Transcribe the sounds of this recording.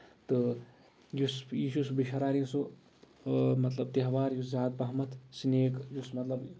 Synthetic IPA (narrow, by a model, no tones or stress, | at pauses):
t̪ɨ | jusiʃusbiʃɐɾaːɾĩsu | mɐt̪lɐb̚t̪iɦʋaːɾjuszaːd̪̚bɐɦmɐt̪ʰsineːkjusmɐt̪lɐb